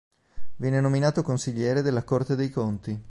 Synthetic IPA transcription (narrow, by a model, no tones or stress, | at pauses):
vjɛːnenominaːt̪okonsiʎːɛːɾed̪elːakort̪ed̪ejkont̪i